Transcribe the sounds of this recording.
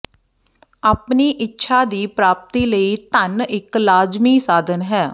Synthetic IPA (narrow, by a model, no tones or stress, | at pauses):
aːpniːʔɪtːʃʰaːd̪iːpɾaːp̚t̪iːləiːt̪ənɪklaːd͡ʒmiːsaːd̪ənɦɛː